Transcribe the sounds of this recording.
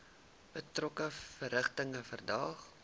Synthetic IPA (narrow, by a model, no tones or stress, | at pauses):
b̥ətrɔkəfəɾəχtəŋəfərdɑːχ